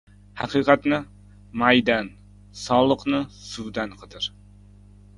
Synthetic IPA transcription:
hɑqiːqɑt̪nɪ | mɑjd̪ɑn | sɒlˠəqnɨsud̪anqʰɨd̪ɨɾ

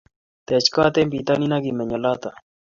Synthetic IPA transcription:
t̪eːt͡ɕkaːt̪eːmpiːt̪aːninaːɡimeɲɐlaːt̪a

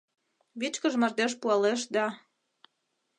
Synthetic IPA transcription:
βit͡ɕkəʒmɑrd̪eʃ̬puɑleʃ̬d̪ɑ

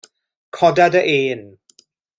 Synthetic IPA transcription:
kʰɔdadəʔeːn

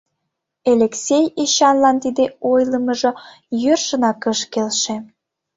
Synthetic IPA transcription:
eleksʲejiɕɑnlɑnt̪id̪eojləməʒɤ̆ | jørʃənɑkəʃkelʃĕ

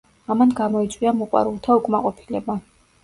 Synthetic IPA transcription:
amanɡamɔit̪sʼwiamɔqʼwa̰ɾulˠt̪ʰaukʼmaqʼɔpʰi̥lɛba

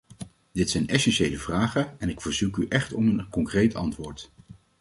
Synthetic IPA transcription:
dɪtsɛjnʔɛsɛnʃejləvraːχəɛnɪkfəɹzukyʔɛχtɔmənkɔŋkrejtɑntʋʊːɹt

